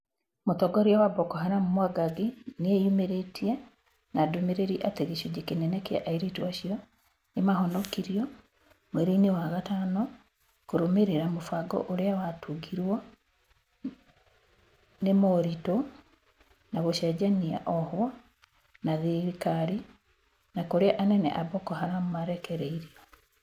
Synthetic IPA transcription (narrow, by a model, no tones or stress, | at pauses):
mot̪ɔɡɔɾjawabɔkɔhanamomwaɡaɡeneejumeɾetʰia | nadomeɾeɾiʔateɣeʃuɟekenɛnɛka̰ʔaiɾituaɕijɔ | nemahɔnɔkiɾiɔ | mweɾinewaɣatanɔ | koɾomeɾeɾamofaɡɔ̰ʔoɾeawatuɡiɾwa | nemɔɾito | naɣoʃɛɟania̰ʔɔhwa | naðeɾikaɾi | nakoɾeaʔanɛnɛ̰ʔabɔkohaɾamomaɾɛkɛɾeiɾia